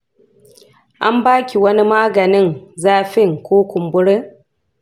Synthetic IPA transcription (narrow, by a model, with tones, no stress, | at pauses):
ʔa˦mbaː˦kʲi˨wɐ˦ni˦maː˦ɡɐ˨nɪ˦ŋzaː˦ɸɪ˦˨ŋkʷoː˦kʷʊ˨mbʊ˦ɽɪ˦